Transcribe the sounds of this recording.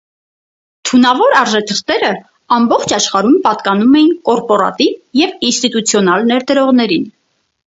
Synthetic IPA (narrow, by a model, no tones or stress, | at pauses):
t̪ʰunɑvɔɾɑɾʒɛt̪ʰəχt̪ɛɾə | ɑmbɔχt͡ʃʰɑʃχɑɾumpɑt̪kɑnumɛjinkɔɾpɔɾɑ̰t̪ivjɛvinst̪it̪ut͡sʰjɔnɑlnɛɾd̪əɾɔʁn̪ɛɾin